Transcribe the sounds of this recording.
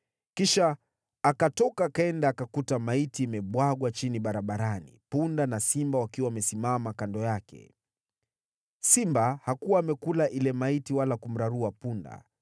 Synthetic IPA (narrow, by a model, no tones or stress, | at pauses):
kiʃaː | katɔkaːkaɛndaːkakutamaitiimɛɓwaɠwat͡ʃiniɓaɾaɓaɾanḭpundanasimbawakiwaːmɛsimamakandɔjakɛ̰ | simbahakuwaːmɛkulaʔilɛmaitiwalakum̩ɾaɾuapunda̰